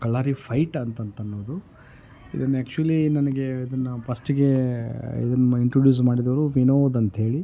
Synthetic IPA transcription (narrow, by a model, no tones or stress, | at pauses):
kɐɭːaːɾipʰɐjʈɐnt̪ɐnt̪ɐnːoːd̪u | ḭd̪ɐnːeːkt͡ʃuɐlinɐnɐɡe̞id̪ɐnːɐpʰɐsʈiɡe̞ḭd̪ɐnːɐiɳʈɾoɖjuːs̬maːɽid̪ɐʋɐɾuʋinoːd̪ɐnt̪ɐɦe̞ːɭi